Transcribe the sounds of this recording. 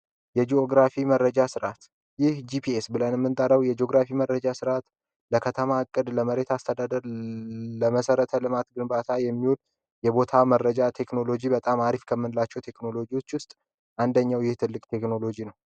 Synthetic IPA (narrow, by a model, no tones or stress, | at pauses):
jɛd͡ʒioɡɾafimərːəd͡ʒasɨɾʔat̪ | jɪhd͡ʒipʰiesbɨlənjɛmːɨnt̪ʼəɾəwjɛd͡ʒeoɡɾafimərːəd͡ʒasɨɾat̪ | ləkʰət̪ʰəmaːkʼːɨd̪ləməɾe̞t̪ʰast̪ʰəd̪ad̪əɾ | ləməsəɾət̪ʰəlɨmat̪ɡɨnbat̪ʰajɛmːiul | jɛbo̞t̪ʰamərːəd͡ʒat̪ʰe̞kno̞lo̞d͡ʒibət̪ʼamaɾifkʰəmːɨnɨlat͡ʃːɛwt̪ʰe̞kno̞lo̞d͡ʒiwo̞t͡ʃːwʊst̪ʼ | ʔand̪əɲːawjɪht̪ʰɨlːɨkʼt̪ʰe̞kno̞lo̞d͡ʒinəw